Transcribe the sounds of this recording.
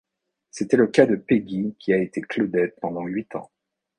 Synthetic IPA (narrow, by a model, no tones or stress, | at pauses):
set̪ɛləkad̪əpeɡʲikʲʰiaet̪eklɔd̪ɛt̪̚pɑ̃d̪ɑ̃ɥit̪ɑ̰̃